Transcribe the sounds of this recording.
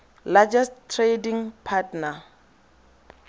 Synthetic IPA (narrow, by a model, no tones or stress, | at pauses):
lad͡ʒɛstʰrediŋpʰatna